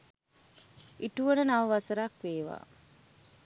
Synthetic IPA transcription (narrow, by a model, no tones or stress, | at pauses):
iʈuʋənənaʋəʋasəɾakʋeːʋa̰ː